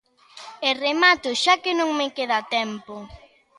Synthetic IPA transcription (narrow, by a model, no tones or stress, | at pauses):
eremat̪ʊʃakɪnõŋmekeðat̪ɛmpo